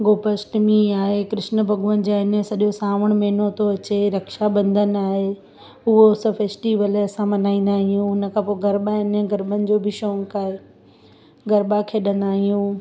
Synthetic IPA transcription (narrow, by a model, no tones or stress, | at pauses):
ɡoːpəsʈmiaːɦekɾɪʃnə̆bʱɐɡuənɪ̆d͡ʑaːɪnəsɐɗjosaːʋəɽ̃mɛːnot̪ʰoɐt͡ɕeɾɐkʃabɐ̃nd̪ʱən̆aːɦe | ʊɦosɐfeːsʈiʋəlɐsãmɐnaːĩːnd̪aːɦijũʊnə̆kʰãpoːɡɐɾɓaɪnəɡɐɾɓənɪ̆d͡ʑoːbʱɪʃɔ̃ːŋkaːɦe | ɡɐɾɓakʰeːɗɐ̃nd̪aːɦijũ